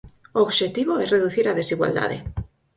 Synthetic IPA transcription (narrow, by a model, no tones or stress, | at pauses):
ooβʃet̪iβoɛreðuθiɾaðesiɣwa̰ld̪a̰ðḛ